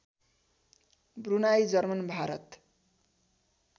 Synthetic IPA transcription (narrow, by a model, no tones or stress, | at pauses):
brunajd͡zʌrmʌnbʱaɾʌt̪